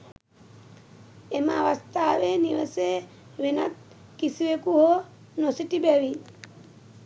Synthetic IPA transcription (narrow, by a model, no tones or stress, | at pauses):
emaaʋast̪ʰaːʋeniɾəse | ʋena̰t̪̚ | kisiwekuɦo | nosiʈibɛʋi